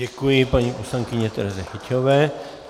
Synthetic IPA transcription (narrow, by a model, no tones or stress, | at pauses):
ekʷipãɲĩʔũsãŋkiɲẽt̪ḛɾaðehit̪ʰjoβe